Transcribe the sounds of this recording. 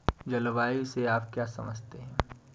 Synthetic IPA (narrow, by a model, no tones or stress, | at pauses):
d͡ʒɐlʋaːiseaːpkjaːsɐ̰mə̰d͡ʒʱt̪eɦɛ̃ː